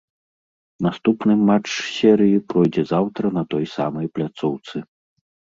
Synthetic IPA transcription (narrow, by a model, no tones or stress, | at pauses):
nast̪upnɨmat͡ʂsʲɛɾɨjipɾɔjd͡zʲɛzawt̪ɾɐnɐt̪ɔjsa̰mɐjplʲat̪sɔwt̪sɨ